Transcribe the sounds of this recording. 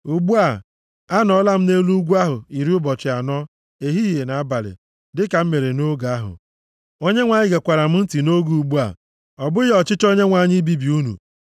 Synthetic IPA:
u˨ɡ͡bu˦a˨ | a˦nɔ˦la˦m̩˦ne˦lu˦ɡʷu˦a˦ɦʊ˨i˨ɾi˦ʊ˦bɔ˨t͡ʃɪ˨a˨nɔ˦ | e˨ɦi˦ɦe˨na˨a˦ba˨lɪ̰˨ | dɪ˦ka˨m̩˦me˨ɾe˨no˦ɡa˦ɦʊ̰˨ | o˦ɲe˦ŋʷa˨ɲɪ˦ɡe˨kʷa˨ɾa˨m̩˦n̩˦ti˨no˦ɡu˦u˨ɡ͡bu˦a̰˨ | ɔ˨bʊ˦ɔ˨t͡ʃɪ˦t͡ʃo˦ɲe˦ŋʷa˨ɲɪ˦bi˦bi˨u˦nṵ˨

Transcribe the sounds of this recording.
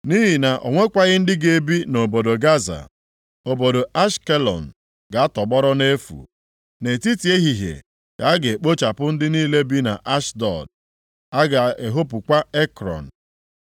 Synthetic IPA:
ni˦ɦi˨na˨ʔo̰˨ŋʷe˦kʷa˦ɣɪ˦n̩˦dɪ˦ɡe˨bi˦no˨bo˨do˨ɡa˦za̰˨ | o˨bo˨do˨ʔa˦ʃke˦lɔ̰˨n̩˨ | ɡa˨a˦tɔ˨ɡ͡bɔ˦ɾɔ˦ne˦fṵ˨ | ne˨ti˦ti˨e˦ɦi˨ɦḛ˨ | ka˨a˦ɡe˨k͡po˦t͡ʃa˨pʊ˦n̩˦dɪ˦niː˦le˦bi˦na̰˨ʔa˦ʃdɔ̰˨d | a˦ɡa˨e˨ɦo˦p̬ʊ˨kʷa˦e˦kɾɔ̰˨n̩˨

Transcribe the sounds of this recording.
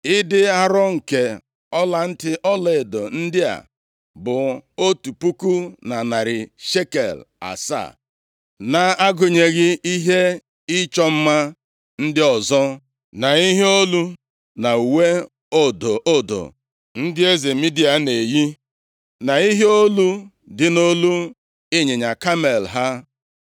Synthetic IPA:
ɪ˦dɪ˦a˦ɾɔ˦ŋ̩˨ke˨ | ɔ˦la˨n̩˦tɪ˦ʔɔ˦le˨do˨n̩˦dɪ˦a̰˨ | bʊ˨o˦tu˨pu˦ku˦na˨na˨ɾɪ˨ʃe˦kḛ˨la̰˨sa̰˦˨ | na˨a˦ɡʊ˨ɲe˨ɣɪ˦i˦ɦe˦ | i˦t͡ʃɔ˦m̩˦ma˦ | n̩˦dɪ˦ɔ˨zɔ˦ | na˨i˦ɦe˦o˦lu˦ | na˨u˨we˦ | o˦do˨o˦do̰˨ | n̩˦dɪ˦e˦ze˨mi˦di˦a˨ne˨ji˦ | na˨i˦ɦe˦o˦lu˦ | dɪ˦no˦lu˦ | e˦ɲe˨ɲa˨ka˦me˨lɦa˦

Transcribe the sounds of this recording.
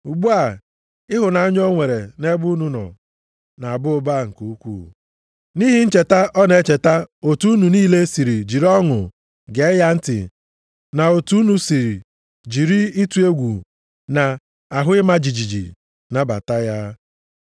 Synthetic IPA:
u˨ɡ͡bu˦a˨ | ɪ˦ɦʊ˨na˨a˦ɲ˦ɔ˦ŋʷe˨ɾe˨ne˦bʊ˦u˦nu˦nɔ̰˨ | na˨a˨bʊ˦o˦ba˦˨ŋ̩˨ku˨u˦kʷṵː˦˨ | ni˦ɦi˦n̩˦t͡ʃe˨ta˦ʔɔ˦ne˨˦t͡ʃe˨ta˦o˨tu˦u˦nu˨niː˦le˦si˨ɾi˨d͡ʒi˨ɾɔ˦ŋʊ̰˨ | ɡe˨˦ja˦n̩˦tɪ̰˨ | na˨o˨tu˦nu˨si˨ɾi˨ | d͡ʒi˨ɾi˦i˦tu˦e˦ɡʷu˨ | na˨ | a˨ɦʊ˦ɪ˦ma˦d͡ʒi˨d͡ʒi˨d͡ʒḭ˨ | na˦ba̰˨ta˦ja˦

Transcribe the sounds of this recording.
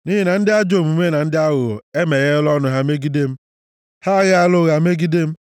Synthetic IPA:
ni˦ɦe˦na˨n̩˦dɪ˦a˦d͡ʒo˦˨m˨u˨me˦na˨n̩˦dɪ˦a˦ɣʊ˨e˦me˨ɣe˦lɔ˦nʊ˦ɦa˦me˦ɡi˦de˦m̩˦ | ha˦ɣɪ˦a˦lʊ˦ɣa˨m˦e˦ɡi˦de˦m̩˦

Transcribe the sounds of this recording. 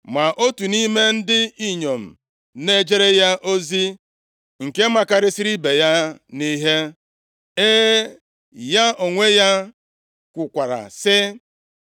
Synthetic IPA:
ma˨ʔo˦tu˨ni˦me˦n̩˦dɪ˦i˦ɲo˨m̩˨ | ne˦d͡ʒe˦ɾe˦ja˦ʔo˦zi˦ | ŋ̩˨ke˦ma˨ka˦ɾɪ˦si˦ɾi˦be˨ja˦ni˦ɦe˦ | e˦ | ja˦ʔo˨ŋʷe˦ja˦ | kʷʊ˨kʷa˨ɾa̰˨sɪ˦

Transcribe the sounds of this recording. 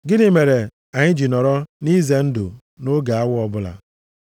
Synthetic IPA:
ɡɪ˦ni˨me˨ɾe˨ | a˨ɲɪ˦d͡ʒi˨nɔ˨ɾɔ˦ni˦ze˨n̩˦dʊ̰˨ | no˦ɡa˨a˦wʊ˦ɔ˨bʊ˦la̰˨

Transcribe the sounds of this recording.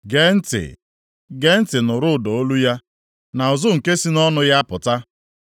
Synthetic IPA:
ɡe˦n̩˦tɪ̰˨ | ɡe˦n̩˦tɪ˨nʊ˨ɾʊ˦˨do˨o˦lu˦ja˦ | na˨ʊ˨zʊ˦ŋ̩˨ke˦si˦nɔ˦nʊ˦ja˦pʊ˨ta˦

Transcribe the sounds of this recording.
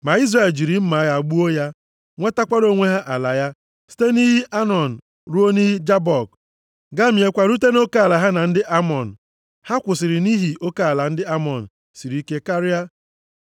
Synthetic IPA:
ma˨i˦zra˦˨e˨ld͡ʒi˨ɾi˨m̩˦ma˨˦ɣa˨ɡ͡bu˦o˦ja˦ | ŋʷe˦ta˦kʷa˦ɾo˦ŋʷe˦ɦa˦ʔa˨la˨ja˦ | si̥˦te˦ni˦ɦi˦ʔa˦nɔ˨n̩˨ | ɾu˦o˦ni˦ɦi˦d͡ʒa˦bɔ˨k̚ | ɡa˦mje˨kʷa˨ɾu˦t̬e˦no˦ka˦a˨la˨ɦa˦na˨n̩˦dɪ˦ʔa˦mɔ˨n̩˨ | ha˦kʷʊ˨sɪ˨ɾɪ˨ni˦ɦi˨ʔo˦ka˦a˨la˨n̩˦dɪ˦a˦mɔ˨n̩˨ | si˨ɾi˦ke˦ka˦ɾja˦

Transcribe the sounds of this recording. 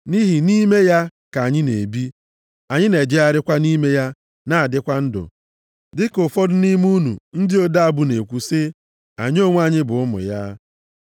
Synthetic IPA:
ni˦ɦi˨ni˦me˦ja˦ka˨ɲɪ˦ne˨bi˦ | a˨ɲɪ˦ne˨d͡ʒe˦a˦ɾɪ˦kʷa˦ni˦me˦ja˦ | na˦˨a˨dɪ˦kʷa˦n̩˦dʊ̰˨ | dɪ˦kʊ˨fɔ˦dʊ˦ni˦m˦u˦nṵ˨n̩˦dɪ˦o˦da˦a˨bʊ˦ne˨kʷu˨sɪ˦ | a˨ɲ˦o˦˨ŋʷ˦a˨ɲɪ˦bʊ˨ʊ˦mʊ̰˨ja˦

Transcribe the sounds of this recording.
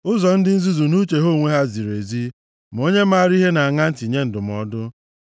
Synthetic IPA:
ʊ˦zɔ˨n̩˦dɪ˦n̩˦zu˦zu˨nu˦t͡ʃe˨ɦo˦˨ŋʷe˦ɦa˦zi˨ɾe˨zi˦ | m̩˨o˦ɲe˦ma˦˨ɾi˦ɦe˦na˨a˨ŋa˦n̩˦ti˨ɲe˦n̩˨dʊ˨m˨ɔ˦dʊ˦

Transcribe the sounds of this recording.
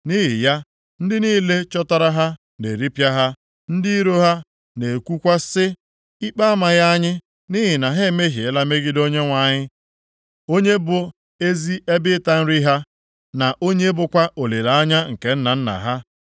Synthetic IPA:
ni˦ɦɪ˨ja˦ | n̩˦dɪ˦niː˦le˦t͡ʃɔ˦tɔ˦ɾa˦ɦa˦ | ne˨ɾi˦pja˦ɦa˦ | n̩˦dɪ˦i˦ɾo˦ɦa˦ | ne˨e˨kʷu˦kʷa˦sɪ˦ | i˦k͡pa˦a˦ma˨ɣa˦ɲɪ˦ | ni˦ɦɪ˨na˨ɦe˦˨me˦ɦi˨e˨˦la˦me˦ɡɪ˦do˦ɲe˦ŋʷa˨ɲɪ˦ | o˦ɲe˦bʊ˨ | e˦zi˦ʔe˦bɪ˦ta˦n̩˦ɾi˦ɦa˦ | na˨ʔo˦ɲe˦bʊ˨kʷa˦ʔo˨le˨ɾa˨a˦ɲa˦ŋ̩˨ke˨n̩˦na˨n̩˦na̰˨ɦa˦

